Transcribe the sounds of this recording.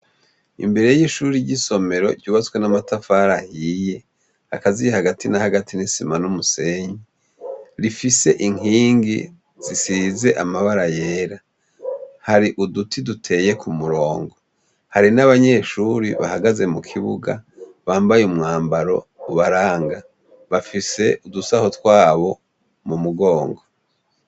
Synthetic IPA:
ḭmbe̞ɾe̞jjiʃuːɾiɟiso̞me̞ɾo̞̰ɟuːβat͡skwe̞namatʰafaɾahiːje̞ | akazijehaɡatinahaɡatʰinisimanumuse̞ɲi | ɾifise̞ʔiŋ̥iːŋɡḭ | z̥isize̞ʔamaβaɾaje̞ːɾa | haɾiʔudutʰidutʰe̞je̞kʰumuɾo̞ːŋɡo | haɾinaβaɲe̞ːʃuɾiβa̰haɡaze̞mukʰiβṵɡa̰ | βaːmbajumŋaːmbaɾo̞̰uβaɾaːŋɡa | βafise̞ʔudusahotwaːβo̞ | mumuɡo̞ːŋɡo

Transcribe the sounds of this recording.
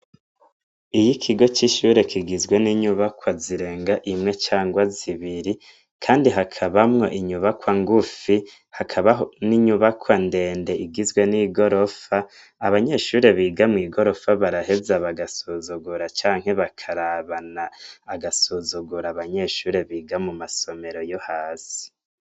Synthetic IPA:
ijikʰiɡo̞t͡ʃiʃuɾe̞kʰiɡizɡwe̞niɲuβakwaziɾe̞ːŋɡaʔimŋe̞t͡ʃaːŋɡwaziβiɾi | kʰaːndiɦakʰaβamŋo̞̰ʔiɲuβakwaŋɡufi | hakʰaβaniɲuβakʰwande̞ːnde̞ʔiɡizɡwe̞niɡo̞ɾo̞faː | βaɲe̞ʃuːɾe̞βiːɡamŋiːɡo̞ɾo̞faβaɾahe̞zaβaɡasuzuɡuɾat͡ʃaːŋ̥he̞βakʰaɾaβanaːɡasuzuɡuɾaβaɲe̞ʃuːɾe̞βiːɡamumaso̞me̞ɾo̞johaːsi̥

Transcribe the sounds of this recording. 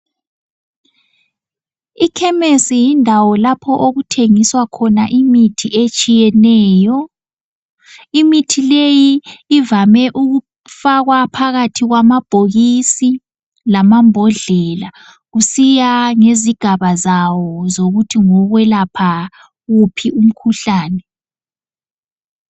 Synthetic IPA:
ikʰɛmesijindʱawɔlapʰɔʔoɣutʰeŋiswakʰɔnaʔimitʰiʔet͡ʃʼijɛnɛːjɔ | imitʰilejiːvamɛʔuɣu | faɣwapʰaɣatʰiɣwamab̥ʱoɣisi | lamambʱɔɮɛla | ɣusijaŋeziɡ̥ʱaβazawɔzoɣutʰiŋɔɣwɛlapʰa | ɣupʰiʔum̩kʰuɬaːnɛ

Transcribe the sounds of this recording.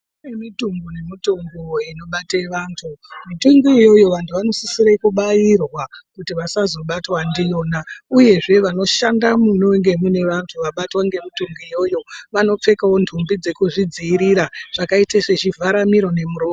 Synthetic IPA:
nemituŋɡone̞mituŋɡoino̞ɓateʋantʰumituŋɡijo̞jo̞ʋantʰuʋano̞sisiɾaikuɓajirwakutiʋasazo̞ɓatwandijo̞nauje̞ʐe̞ʋano̞ʃandamunoŋɡe̞mune̞ʋantʰuʋaɓatwaŋɡe̞mituŋɡijo̞jo̞ʋano̞p͡fe̞kawo̞ndʰʱumbid͡ze̞kuʐid͡ziːɾiɾaʐ̥akaiteʂet͡ʃivʱaɾamiɾo̞ne̞muɾoː

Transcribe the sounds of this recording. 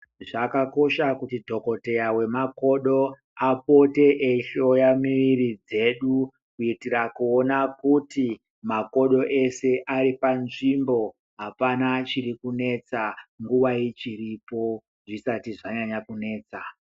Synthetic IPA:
ʐakako̞ʃakutidʱo̞ko̞te̞jawe̞mako̞ɗo̞ | apo̞te̞ʔeiɬo̞jamiʋiɾid͡ze̞ɗu | kuitirakuo̞nakuti | mako̞ɗo̞ʔe̞se̞ʔaɾipanʐimbo̞ | ɦapanat͡ʃirikune̞t͡saŋɡuʋait͡ʃiripo̞ | ʐisatiʐaɲaɲakune̞ːt͡sa

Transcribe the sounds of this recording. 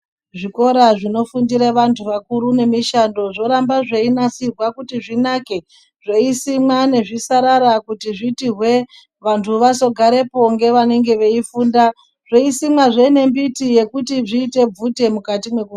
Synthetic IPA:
ʐiko̞ɾaʐino̞fundiɾeʋantʰuʋakuɾune̞miʃando̞ʐo̞ɾambaʐeinasirwakutiʐinake | ʐ̥eisimwane̞ʐisaɾaɾakutiʐitirwe̞ | ʋantʰuʋaso̞ɡʱaɾe̞po̞ŋɡe̞ʋane̞ŋɡe̞ʋe̞ifuːnda | ʐ̥oisimwaʐeine̞mbitije̞kutiʐiːte̞b͡vute̞mukatimwe̞ku

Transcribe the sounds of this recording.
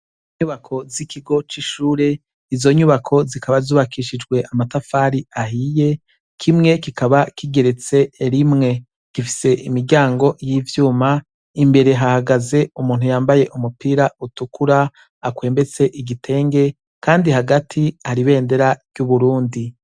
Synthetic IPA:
iɲuβakʰo̞zikʰiɡo̞t͡ʃiʃuːɾe̞ | izo̞ɲuβakʰo̞zikʰaβazuːβakiʃid͡ʒɡwe̞ʔamatafaːɾiahije̞ | kʰimŋe̞kikʰaβakiɡe̞ɾe̞t͡se̞ːɾimŋe̞ | ɡ̥ifi̥se̞ʔimiɾɟaːŋɡo̞jiːvjuːma | imbe̞ɾe̞ɦahaɡaze̞umuːnhujaːmbaje̞ʔumupiːɾautukuɾa | akwe̞ːmbe̞t͡se̞ʔiɡitʰe̞ːŋɡe̞ | kaːndihaɡatʰihaɾiβe̞ːnde̞ɾaɾɟuβuɾuːndi

